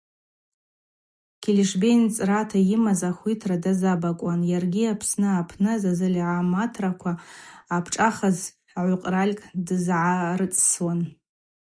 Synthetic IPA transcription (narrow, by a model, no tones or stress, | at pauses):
kʲʰelʲiʂbejnt͡sʼratʰajɪmazaχʷitʰradazabakʷʼanjarɡʲiapʰsnɨapʰnɨzazɨlʲʕamatʰrakʷʰaːpʰʈ͡ʂʼaχazħʕʷʊqʼralʲkʰʼdɨzʕarɨt͡sʼswan